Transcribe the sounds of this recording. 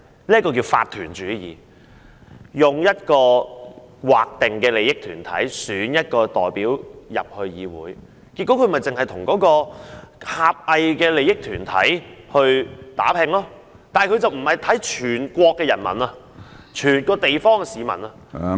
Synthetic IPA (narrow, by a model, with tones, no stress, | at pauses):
niː˥tkɔː˧ki˧wfa̰ː˧t̚t̪ʰy̰ː˨˩nt͡ʃyː˨˥jḭː˨ | jʊ˨ŋjɐ˥t̚kɔː˧ | waː˨k̚t̪ɪ˨ŋkɛː˧le˨˧jɪ˥k̚t̪ʰyː˨˩nt̪ʰɐ̰˨˥jsyː˨˥njɐ˥t̚kɔː˧t̪ɔ̰ː˨jpiː˨˥wjɐ̰˨p̚hɵ˧ɥjiː˨˧wṵː˨˥j | ki˧t̚kːo˨˥kʰɵ˧˥mɐ˨˩jt͡sɪ˨ŋhɐ˨jt̪ʰʊ˨˩ŋkɔː˨˥kɔː˧haː˨p̚ɐ˨jkɛː˧le˨˧jɪ˥k̚t̪ʰyː˨˩nt̪ʰɐ̰˨˥jhɵ˧ɥt̪a̰ː˨˥pʰɪ˧ŋlɔː˥ | t̪aː˨kʰɵ˨˧ɥt͡sɐ˨wm̩˨˩hɐ˨˩jt̪ʰɐ˨˥jt͡ʃʰyː˨˩nkʷɔː˧kːɛː˧jɐ̰˨˩nmɐ̰˨˩na˧ | t͡ʃʰyː˨˩nkɔː˧t̪e˨jfɔː˥ŋkɛ˧siː˨˧mɐ̰˨˩nɐ˧